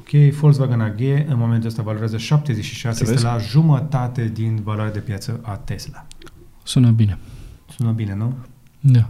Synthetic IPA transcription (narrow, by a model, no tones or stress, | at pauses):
kʰʲejfols̬vaɡanaɡʲeɨnmoment̪uəst̪avaloɾeazəʃap̚t̪e̞zet͡ʃʃiʃaselaʒumət̪at̪e̞d̪invaloaɾead̪e̞pjat̪səʔat̪e̞slasunəbinesunəbine̞nu | d̪a